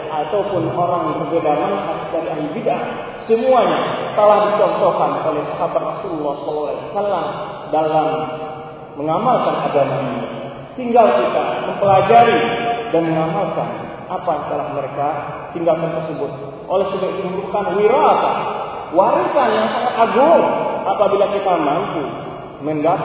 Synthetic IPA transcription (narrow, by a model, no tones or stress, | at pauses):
at̪aupʊnoɾaŋməŋkərbedamanɦatsdaɾiaɦlibidʔŋ | səmuaɲat̪əlahdit͡ʃɔnt̪okanolɛhsaɦabat̪rasululːɑhsɔalːawla̰wasalam | dalamː | əŋamalkanʔaɡamaiɲa̰ | t̪iŋɡalkit̪a̰məmpəlad͡ʒaɾidanməŋamalka̰n | apajaŋt̪əlahməɾekat̪iŋɡalkant̪ərsəbʊt̪̚ | ʔolɛhsəbat̪umd̪ukanwiɾaka̰ | waɾisaɲasaŋaaɡʊŋʔapabilakit̪amant̪u | mənda